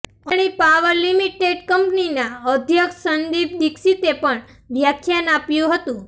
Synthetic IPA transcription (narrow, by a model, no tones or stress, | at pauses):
əɽ̃ipaʋəɾlimiʈeɖkəmpninaəd̪ʱjəksənd̪ib̚d̪iksit̪epəɳ | ʋjakʰjanapjũɦət̪ũ